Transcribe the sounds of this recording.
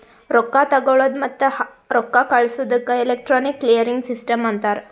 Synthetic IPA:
ɾokːat̪əɡəɭəd̪mət̪ːəh | ɾokːakaɭsud̪əkːaelek̚ʈɾɔnikːlijəɾiŋɡsisʈəmant̪aɾ

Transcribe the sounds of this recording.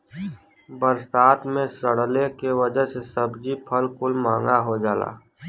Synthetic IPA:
bəɾst̪aːt̪mẽsəɽ̤lekeʋəd͡ʒəɦsesəbd͡ʒipʰəlkʊlmãːŋɡaɦod͡ʒaːla̰ː

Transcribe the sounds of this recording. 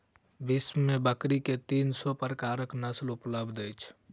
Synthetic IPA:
bismmebəkɾiket̪insɔpɾəkaɾəknəslupləbd̪əjt͡ʃʰ

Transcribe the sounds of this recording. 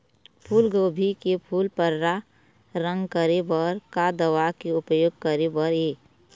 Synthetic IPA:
pʰuːlɡobʱikepʰuːlpəɾːa | ɾə̃ŋɡkəɾebəɾkad̪əwakeʊpəjoːɡ̚kəɾebəɾeː

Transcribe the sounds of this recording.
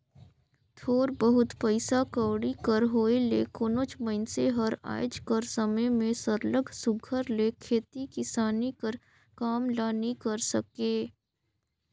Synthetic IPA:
t̪ʰoːɾbəɦʊt̪pəɪsakəːɽikəɾɦoːelḛːkoːnoːt͡ʃməɪnseɦəɾa̰ːjd͡ʒkəɾsəməjmẽsəɾləɡʱsʊɡʱəɾlekʰeːt̪ikɪsaːnikəɾ | kaːmlaːnikəɾsəkeː

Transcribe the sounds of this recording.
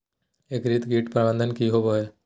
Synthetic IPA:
eːkɾiːt̪ɡiːʈpɾəbə̃nd̪ʱənkiɦoboːeː

